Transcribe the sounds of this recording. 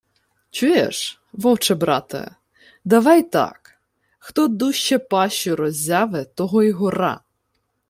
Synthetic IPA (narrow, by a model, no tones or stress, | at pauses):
t͡ʃujɛ̰ʃ | ʋɔwt͡ʃɛbɾɑ̰t̪ɐ̰ | d̪ɐʋɑjt̪ɑ̰k | xt̪ɔd̪uʃt͡ʃɛpɑʃʊɾɔzʲɑʋɪt̪ɔɦɔjɦɔɾɑ̰